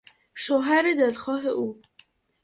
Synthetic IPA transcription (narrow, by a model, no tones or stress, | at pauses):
ʃoɦæɾed̪elxɒːɦeʔuː